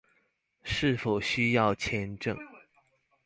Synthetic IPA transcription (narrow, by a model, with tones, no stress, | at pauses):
ʂɻ̩˥˩fo˨˩ʊɕy˥jɑ˥˩ʊt͡ɕʰjɛ˧˥nʈ͡ʂɤ̰˥˧˩ŋ